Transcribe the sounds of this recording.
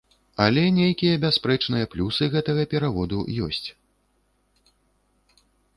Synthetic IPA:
alʲɛnʲejkʲijɐbʲaspɾɛt͡ʂnɨjɐplʲusɨɣɛt̪ɐɣɐpʲɛɾavɔd̪ṵjɔ̰sʲt͡sʲ

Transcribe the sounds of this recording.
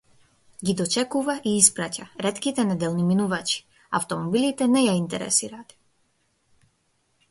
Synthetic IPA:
ɡid̪ɔt͡ʃɛkuvaʔiispɾacaɾɛt̪kit̪ɛnɛd̪ɛlˠniminuvat͡ʃi̥ | a̰ft̪ɔmɔbilit̪ɛnɛjaint̪ɛɾɛ̰siɾaːt̪

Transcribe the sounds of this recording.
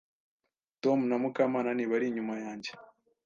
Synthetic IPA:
to̞munamukaːmaːnaniβaɾiɲumajaːɲɟe

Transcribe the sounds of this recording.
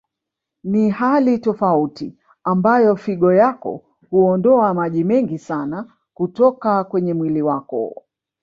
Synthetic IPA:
nihalitɔfautḭ | ambajɔfiɠɔjakɔ̰ | huɔndɔamaʄimɛŋɡisana | kutɔkakwɛɲɛmwiliwakɔ̰

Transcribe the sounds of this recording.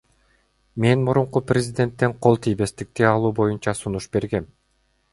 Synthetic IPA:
me̞nmuɾuɴquprʲɪzʲɪd̪ʲe̞nt̪ːe̞ɴqʰo̞lˠt̪ʰijbe̞st̪ik̚t̪iɑlˠuːbo̞junt͡ʃɑsunuʃbe̞ɾɡe̞m

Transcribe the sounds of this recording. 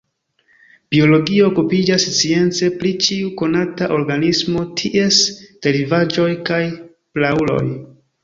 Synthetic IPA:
b̥io̞lo̞ɡio̞ːkupid͡ʒast͡sie̞nt͡se̞pɾit͡ʃiuko̞nataʔo̞ɾɡanismo̞tʰiʔe̞sd̥e̞ɾivad͡ʒo̞jkaj | plawlo̞̰j

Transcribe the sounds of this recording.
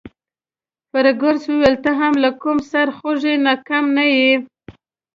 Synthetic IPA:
faɾaɡʊɾswuwelt̪aɦamlakumsaɾxoʒenakamnaji

